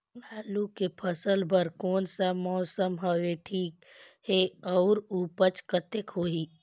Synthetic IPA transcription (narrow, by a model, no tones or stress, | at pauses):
ɦaːlukepʰəsəlbʱəɾkɔːnsamɔːsəmɦəʋeʈʰiːk | heɔʊɾuːpət͡ʃkət̪ekɦoːɦiː